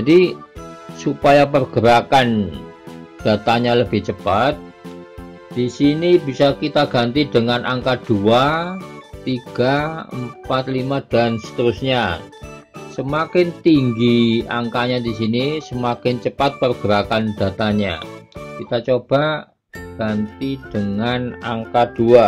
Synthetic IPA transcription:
d͡ʒadi | supajap̬ərɡ̥əɾakan | d̥a̤t̪aɲaləb̥ɪht͡ʃəpat̪̚ | d̥isinibisakit̪aɡ̥a̤nt̪idəŋanʔaŋkad̥ua | t̪iɡ̥aə̰mpat̪̚limad̥a̤nsə̥t̪əɾʊsɲa | səmakɪnt̪iŋɡiaŋkaɲadis̬inisəmakɪnt͡ʃəpat̪̚pərɡ̥əɾakand̥a̤t̪aɲa̰kit̪at͡ʃob̥a | ɡ̥ant̪id̥əŋanaŋkad̥ua

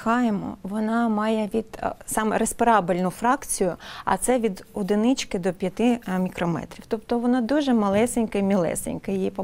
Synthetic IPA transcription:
xɑjemɔ̰ʋɔnɑmɑjɛʋʲid̪̥sɑmɛɾespɪɾɑbɪlʲnʊfɾɑkt͡sʲijʊɐ̰t̪sɛʋʲid̪ɔd̪ɪnɪt͡ʃkɪd̪ɔpʲjɐt̪ɪmʲikɾɔmɛ̰t̪ɾʲiwt̪ɔpt̪ɔʋɔnɑd̪uʒɛmɐlˠɛsenʲkɐimʲilˠɛ̰sḛnʲkɐjjipɔ

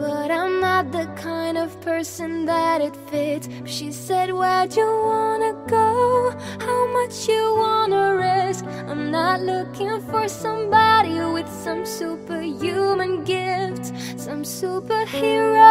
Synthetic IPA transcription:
b̥ʌɾãɪ̃mnət̪̚ðɨkʰãɪ̃ndʌv̥pʰɜ˞sɨ̃nðəɾɨtfɪts | ʃisɛd̚wət͡ʃəwɑnɨɡoʊ | haʊmʌt͡ʃjɨwɑnəɹɪsk | ãɪ̃mnətˡlʊkɪ̃ŋfə˞sʌ̃mbɑɾiwɪð̥sʌ̃msupə˞jʉmɨ̃nɡɪft | sʌ̃msupə˞hɪɹo

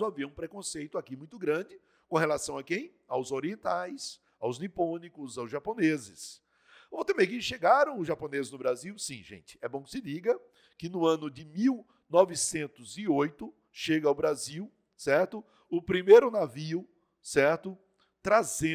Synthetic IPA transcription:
aviɐũpɾekõsejt̪ʊakimũj̃t̪ʊɡɾɐ̃d͡ʒɪ | kõhelasɐ̃w̃ɐkẽj̃ | awzoɾiẽnt̪ajs | awznipõnikʊzawzʒaponezɪs | ot̪ẽmẽjkẽʃeɡaɾɐ̃w̃ʊzʒapõnezɪznʊbɾaziwsĩʒḛ̃t͡ʃɪ̥ɛbõkɪ̥sɪdiɡɐ | kɪnʊɐ̃nʊd͡ʒɪmiw | nɔvɪsẽnt̪ʊzɪojt̪ʊ | ʃeɡɐaʊbɾaziw | sɛɾt̪ʊ | ʊpɾimejɾʊnaviʊ | sɛɾt̪ʊ | t̪ɾazẽ

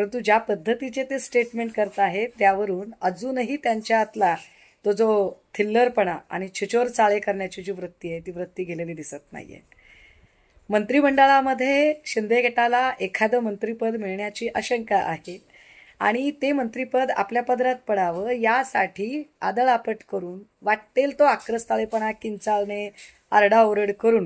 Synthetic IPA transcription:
pəɾənt̪ud͡ʑjapəd̪ʱːət̪it͡ɕet̪esʈeʈmeɳʈ̚kəɾt̪aɦet̪jaʋəɾuːnəd͡zuːnəɦiːt̪jaɲt͡ɕjaːt̪la | t̪od͡zot̪ʰilːəɾpəɳ̃aa̰ɽ̃it͡ɕʰit͡ɕoɾt͡saɭekəɾɳjat͡ɕid͡ʑiːʋɾut̪ːiːaɦet̪iːʋɾət̪ːiːɡʱeleliːd̪isət̪na̰ɦj̰ḛ | mənt̪ɾiːməɳɖəɭaməd̪ʱːjeɕind̪eɡʱeʈalaʔekʰad̪əmənt̪ɾipəd̪miɭɳjat͡ɕiːʔəɕəŋkaʔaɦe | a̰ɽ̃it̪emənt̪ɾipəd̪a̰pljapəd̪ɾat̪̚pəɽaʋəɾjasaʈʰiːa̰d̪əɭapəʈkəɾuːnʋaʈ̚t̪elt̪oakɾəst̪aɭepəɳ̃akint͡salne | aɾɽaoɾəɽkəɾuːn

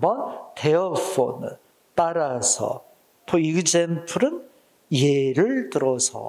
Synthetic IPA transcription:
bʌnteʌpʰo̰nɯ | t͈aɾasʰʌ̰ | pʰoiɡɯd͡ʑenpʰuɾɯn | eɾɯɭtɯɾʌsʰʌ̰

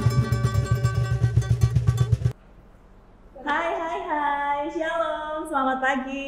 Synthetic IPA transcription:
hajɦajɦajsialɔmsəlamat̪laɡi

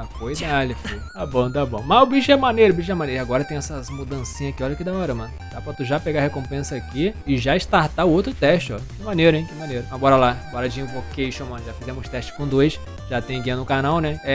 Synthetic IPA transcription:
akojd̪alifut̪abõw̃t̪abõ̰w̃mɐzʊbiʃʊɛmɐnejɾʊbiʃʊɛmɐneɾʊaɡɔɾɐt̪ẽj̃ɛsɐmud̪ɐ̃sĩɲɐzakiɔʎɐkid̪aɔɾɐmɐ̃nʊd̪apɾɐt̪uʒapeɡahekõmpẽsɐakiɪʒaɪst̪aɾt̪aʊowt̪ɾʊt̪ɛʃt͡ʃɪɔkɪmɐ̃neɾʊẽj̃kɪmɐ̃neɾʊaɡɔɾɐlabɔɾɐd͡ʒĩʊvokejʃõmɐ̃nʒafizẽmʊst̪ɛʃt͡ʃɪ̥kõd̪ojs | ʒat̪ẽj̃ɡẽɐ̃nʊkanawnɛɛ

